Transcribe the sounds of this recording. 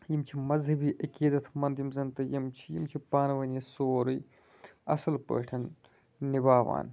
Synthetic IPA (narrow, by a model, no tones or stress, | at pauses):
jimt͡ʃʰimɐzɦɐbiːʔɐkiːd̪ɐt̪ʰmɐnd̪jimzɐnt̪ɐjimt͡ʃʰi̥jḭmt͡ʃʰipaːnʋɐnisoːɾɨj | ɐ̰sɐlpə̰ːʈʰɐn | nibaːʋa̰ːn